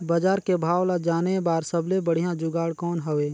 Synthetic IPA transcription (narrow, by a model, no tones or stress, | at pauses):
bad͡ʒaːɾkebʱaːwlad͡ʒaːnebaːɾsəblebəɽ̤ijãd͡ʒʊɡaːɽkɔːnɦəʋeː